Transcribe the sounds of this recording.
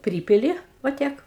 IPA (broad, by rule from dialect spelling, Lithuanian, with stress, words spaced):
ˈpʲrʲiːpʲɪlʲɪ ʋɐ ˈtʲiɛk